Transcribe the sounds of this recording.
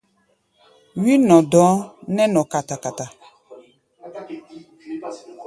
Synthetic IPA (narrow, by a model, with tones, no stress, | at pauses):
wi˦nɔ̃˨dɔ˨˦nɛ˦nɔ˨ka˨ta˨ka˨ta˨